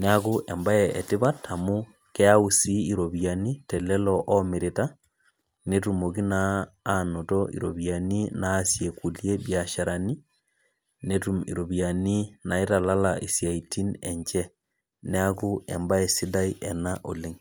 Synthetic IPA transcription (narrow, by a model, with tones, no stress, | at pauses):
nea˦ku˦ʔɛ˨mba˦ɛeti˦βa˦tʰa˨mu˦ | kɛ˦a˦usii˨ɾo˨βja˨ni˦tɛ˨lɛ˦lɔʔɔmi˨ɾita˦ | ne˦tumo˨ki˦naːno˨tɔḭ˨ɾo˨βjani˦naːsje˨ku˨lje˦bja˨ʃa˨ɾʔa˨ni˦ | netuḭ˨ɾo˨βia˨ni˦na˨e˦ta˨la˦laʔi˨sja˨iti˦nɛ̰ɲt͡ʃɛ˦ | nea˦ku˦ɛ̰mba˦ɛ˨si˦da˦i˦ʔɛ˨naʔo˨le˦ŋ